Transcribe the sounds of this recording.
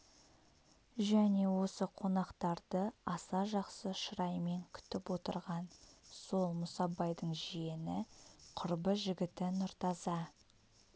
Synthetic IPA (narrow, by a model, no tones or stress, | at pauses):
ʒæne̞wo̞səqʰo̞nɑqt̪ɑɾd̪əɑsɑʒɑqsəʃəɾɑjme̞ŋkʲʰʏ̥t̪ɪpwo̞t̪ə̰ɾʁɑnso̞lˠmʊsɑbɑjd̪əɴʒije̞nɪqʰʊɾbəʒɪɡʲɪt̪ɪnʊɾt̪ɑzɑ